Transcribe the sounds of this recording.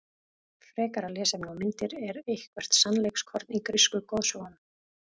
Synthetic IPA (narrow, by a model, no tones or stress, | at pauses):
fɾɛːkaɾalɛːsɛmnawmɪnt̪ɪɾɛɾejhkvɛr̥t̪sanlejkskʰɔɾt̪nikɾɪskʏkoːðsɔɣan